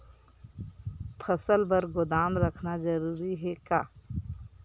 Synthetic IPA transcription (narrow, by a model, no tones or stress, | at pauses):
pʰəsəlbəɾɡʊd̪aːmɾəkʰnazəɾuːɾiɦɛkaː